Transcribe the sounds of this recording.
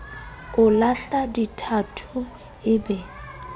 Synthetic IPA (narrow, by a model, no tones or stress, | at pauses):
ʊlaɬaditʰatʰʊ | ɪbɛ